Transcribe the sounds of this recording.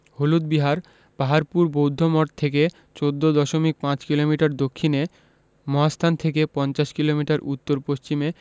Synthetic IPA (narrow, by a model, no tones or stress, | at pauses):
holud̪̚biɦaɾ | b̥aɦaɾpuɾbowd̪ʱːomoʈt̪ʰeke | t͡ɕod̪ːod̪ɔʃomik̚pãt͡ɕkilomiʈaɾd̪okʰːine | mɔɦast̪ʰant̪ʰekepɔnt͡ɕaʃkilomiʈaɾʔut̪ːoɾpoʃt͡ɕime